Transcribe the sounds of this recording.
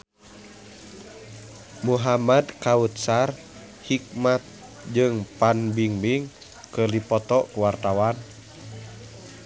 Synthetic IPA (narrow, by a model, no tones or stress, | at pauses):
muɦamad̪kaut̪̚sar | hik̚mat̪̚ | d͡ʒɨŋpanbiŋbiŋ | kɨrdipɔt̪ɔkuwart̪awan